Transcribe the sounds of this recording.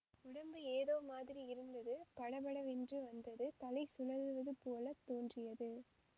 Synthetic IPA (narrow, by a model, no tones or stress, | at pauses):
ʊɽɐmbɯeːðoːmaːðɪɾiɪɾɯnd̪ɐðɯpɐɽɐbɐɽɐʋɛndrɯʋɐnd̪ɐðɯt̪ɐlɐɪsʊlɐðʋɐðɯpoːlɐt̪ːoːndrɪjɐðɯ